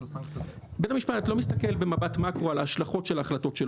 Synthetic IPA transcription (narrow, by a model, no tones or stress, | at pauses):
betamiʃpatatlo̞mist̪ake̞lbe̞mabatmakʁoalahːʃlaχo̞tʃe̞laːχlato̞tʃel